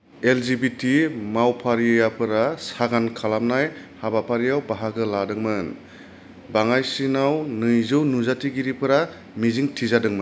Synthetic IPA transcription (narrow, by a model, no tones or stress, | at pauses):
elzibitʰimawpʰaɾiejapʰɯɾasaɡankʰalamnajhabapʰaɾijawbaɦaɡɯladɯŋmɯn | baŋajsinawnɯjzɯwnuzatiɡiɾipɯɾa | miziŋtʰizadɯŋmɯn